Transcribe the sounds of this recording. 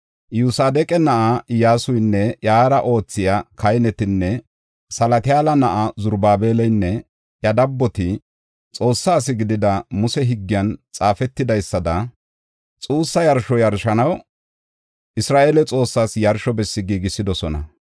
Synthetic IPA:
juːsaːd̪ɛkʼɛnɐʔajaːsʊjnːɛʔjaːɾɐʔo̞ːt͡sːɪjakʰɐjnɛt̪ɪnːɛ | sɐlɐt̪ɪaːlɐnɐʔazʊɾbaːbeːlɛjnːɛ | jjɐd̪ɐbːɔt̪ɪ | t͡sʼo̞ːsːaːs̬ɪɡɪd̪ɪd̪ɐmʊsɛɦɪɡːɪjɐnt͡sʼaːfɛt̪ːɪd̪ɐjsːɐd̪ɐ | t͡sʼuːsːɐjɐɾʃɔjɐɾʃɐnɐw | ʔɪsɾaːʔeːlɛt͡sʼo̞ːsːaːsjɐɾʃɔbɛsːɪɡiːɡɪsːɪd̪ɔsɔnɐ̰

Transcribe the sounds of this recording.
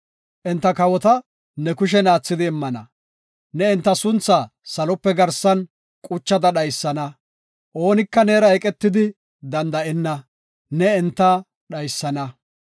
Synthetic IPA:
ʔɛnt̪ːɐkɐwɔt̪ɐ | nɛkʊʃ̬ɛnaːt͡sːɪd̪ɪːmːɐnɐ̰ | nɛɛnt̪ːɐsʊnt͡sːasɐlɔpːɛɡɐɾsɐn | kʼʊt͡ʃːɐd̪ɐɗɐjsːɐnɐ | ʔo̞ːnɪkːɐneːɾɐɛkʼɛt̪ːɪd̪ɪ | d̪ɐnd̪ɐʔɛnːɐ | nɛːnt̪ːɐ | ɗɐjsːɐnɐ

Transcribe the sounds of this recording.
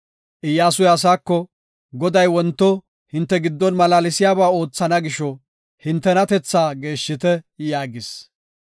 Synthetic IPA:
ʔɪjːaːsʊjɐs̬aːkːɔ | ɡɔd̪ɐjwɔnt̪ːɔ | hɪnt̪ːɛɡɪd̪ːɔnmɐlaːlɪsɪjaːbaːo̞ːt͡sːɐnɐɡɪʃɔ | hɪnt̪ːɛnɐt̪ɛt͡sːaːɡe̞ːʃːɪt̪ɛjaːɡɪs

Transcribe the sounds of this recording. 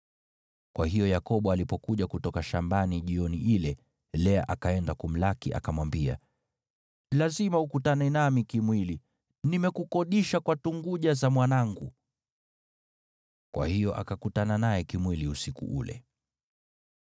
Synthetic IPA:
kwaɦijɔjakɔɓɔalipɔkuʄakutɔkaʃambaniʄiɔniʔilɛ | lɛaʔakaɛndakum̩lakiʔa̰kamwambia̰ | lazimaukutanɛnamikimwili | nimɛkukɔɗiʃakwatuŋɡuʄazamwanaŋɡu | kwa̰hijɔʔa̰kakutananajɛkimwiliusikṵʔṵlɛ̰

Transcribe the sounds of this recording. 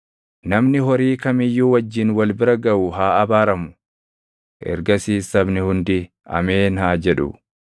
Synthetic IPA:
nɐmnɪɦɔɾiːkɐmɪjːuːwɐd͡ʒːɪnwɐlbɪɾɐɡɐʔʊɦaːɐbaːɾɐmʊ | ʔɛ̰ɾɡɐsiːsɐbnɪhʊnd̪ɪ | ɐ̰meːnhaːd͡ʒɛᶑʊ̰

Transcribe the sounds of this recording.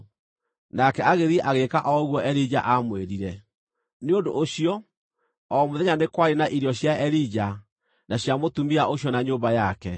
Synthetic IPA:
nakɛaɣeðiʔaɣekaʔɔɣwɔʔɛɾid͡ʑa̰ʔamweɾiɾɛ | neondoʔːɕiɔ | ɔmoðɛɲanekwaɾenaʔiɾiɔɕjaɛɾid͡ʑa | naɕjamotumiaʔoɕjɔnaɲoːmbajakɛ

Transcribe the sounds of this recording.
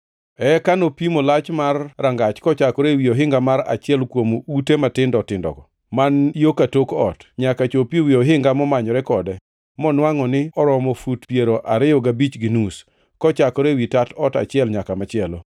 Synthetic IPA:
ɛkanopimolat͡ʃmarːaŋɡat͡ʃkɔt͡ʃakɔɾewioɦɪŋɡamaɾa̰t͡ʃɪɛlkwomoutematɪndɔtɪndɔ̰ɡɔ | manjokatokɔtɲakat͡ʃopiwiɔɦɪŋɡamɔmaɲɔɾɛkɔdɛ | mɔnwaŋɔnɪɔɾɔmɔfutpjeɾoʔaɾɪjɔɡabit͡ʃɡinus | kɔt͡ʃakɔɾewitatɔta̰t͡ʃɪɛlɲakamat͡ʃɪɛlo

